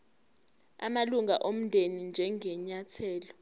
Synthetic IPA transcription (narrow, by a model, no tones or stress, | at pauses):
a̰maluŋaʔom̩ndʱenind͡ʒʱɛŋɛɲatʰɛːlɔ